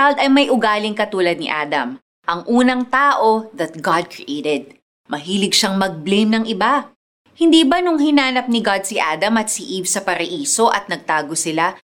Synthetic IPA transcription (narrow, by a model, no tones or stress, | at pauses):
ald̪ɐjmɐjʔʊɡaːlɪŋkɐt̪uːlɐd̪̚nɪʔa̰ːd̪ɐ̰m | ʔɐŋʔuːnɐŋt̪aːʔo̞ðɐt̪̚ɡɑd̪̚kɹiʔejt̪ɛd̪̚ | mɐɦiːlɪɡ̚ʃaŋmɐɡ̚blejmnɐŋʔɪba | hɪnd̪iːbɐnʊŋhɪnaːnɐp̚nɪɡad̪̚sɪʔaːd̪ɐmɐt̪sɪʔivsɐpɐɾɐʔiːso̞ʔɐt̪̚nɐɡ̚t̪aːɡo̞sɪla